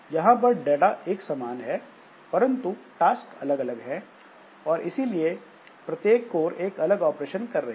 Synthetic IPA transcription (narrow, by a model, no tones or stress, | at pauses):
jɐɦãp̬ɐɾɖeːʈaʔeːksɐmaːnɦɛ | pɐɾə̃nt̪uʈaːskɐləɡɐləɡɦɛ | ɔːɾʔɪsilie | pɾɐt̪jeːkːoːɾeːkɐləɡɔːpɾeːʃənkɐɾːɐɦ